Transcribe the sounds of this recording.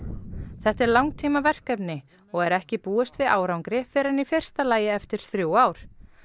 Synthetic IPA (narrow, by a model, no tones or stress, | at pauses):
θɛht̪ɛɾlawŋt̪ʰiːmavɛr̥kɛpnɪ | ɔɣɛɾɛhcɪpuːɛst̪vɪðʔaːwɾawŋkɾɪfɪɾanifɪr̥st̪alaːjɪɛft̪ɪɾ̥θɾjuwaːwɾ̥